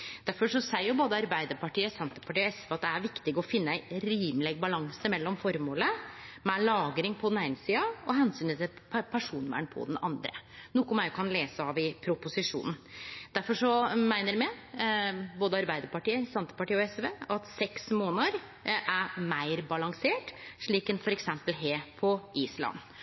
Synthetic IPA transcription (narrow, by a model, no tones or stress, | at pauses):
d̪̥æɾfɔʂɔsæɪjʊboːd̪əɑɾbæɪd̪əɾpɑʈiːəsɛnt̪əpʰɑʈiːɔɛsʋeːɑt̪̚d̪ɛæɾʋɪkt̪ɪɡɔfɪnːəæɪɾiːmlɛɡbɑlɑŋsəmɛlːɔmfɔɾmoːləmɛlɑːɡɾɪŋpʰɔd̪næɪnəsiːɑɔɦɛnsyːnət̪ʰɪlpʰæʂuːnəʋæ̰ɳpʰɔ̰d̪ɛnɑ̰nd̪ɾʔə̰nukːʊmæɪkʰɑnleːsəɑʋɪpʰɾʊpʊsɪʂṵːnn̩d̪̥æɾfɔʂɔmæɪnəɾmɛ | boːd̪əɑɾbæɪd̪əɾpɑʈiːəsɛnt̪ə̥pɑʈiːɔɛsʋeːɑt̪sɛksmoːnəɾ | ʔæmæɪɾbɑlɑŋseːʈʂɭiːkɛnfɔɾɛksɛmpəlɦeːpʰɔʔiːslɑ̰n